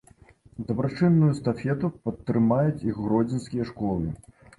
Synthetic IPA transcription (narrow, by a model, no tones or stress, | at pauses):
d̪ɐbɾat͡ʂɨnːujust̪afʲɛt̪upɐt̪ːɾɨmajut͡sʲixːɾɔd͡zʲinskʲijɐʂkɔlˠɨ